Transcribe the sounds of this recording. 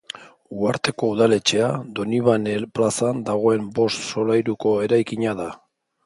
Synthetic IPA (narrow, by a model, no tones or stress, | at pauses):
uaɾt̪e̞ko̞uðale̞t͡ʃe̞ad̪o̞niβaneplasand̪aɣ̞o̞e̞mbo̞st̪so̞lajɾuko̞e̞ɾajkiɲaða